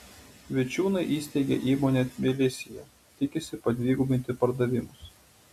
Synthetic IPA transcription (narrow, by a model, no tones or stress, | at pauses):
ʋʲɪt͡ʃʲuːnɐɪʔiːsʲt̪ʲɛɪɡʲḛʔiːmoːnʲemʲɪlʲɪsʲɪjɛ | t̪ʲɪkʲɪsʲɪpɐd̪ʲʋʲiːɡʊbʲɪnʲt̪ʲɪpɐɾd̪ɐʋʲɪmʊs